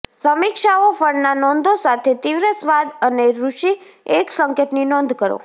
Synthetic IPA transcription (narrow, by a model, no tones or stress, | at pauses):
səmikʃaofəɽnanɔnd̪ʱosat̪ʰet̪iʋɾəsʋad̪əneɾuʃieksəŋkjət̪ninɔnd̪ʱkəɾo̰